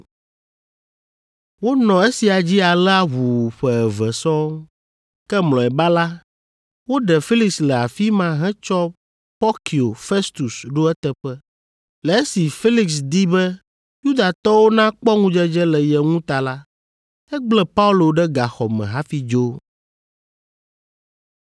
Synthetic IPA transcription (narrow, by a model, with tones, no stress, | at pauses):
wo˦nɔ̃˨e˦si˨a˨d͡ʑi˦a˨lɛ˦a˦ɦu˨ɸɛ˨ɛ˨vɛ˨sɔ˦ | kɛ˦mlɔ̃˨ɛ˨ba˦la˦ | wo˦ɖɛ˨fi˦li˨kslɛ˨a˨fi˦mã˦ɦɛ̃˦t͡ʃɔ˦ | pɔ˦ki˨o˨fe˦st̪u˨sɖo˦ɛ˦t̪ɛ˨ɸɛ˦ | lɛ˨e˦si˨fi˦li˨ksd̪i˦bɛ˦ | ju˦d̪a˨t̪ɔ˦wo˦nã˦k͡pɔ˦ŋũ˦d͡ʒɛ˦d͡ʒɛ˦lɛ˨jɛ˨ŋũ˦t̪a˨la˦ | ɛ˦ɡ͡blɛ˦pa˦u˦lo˨ɖɛ˦ɡa˨xɔ˨mɛ̰̃˨ɦa˦fi˦d͡ʒo˦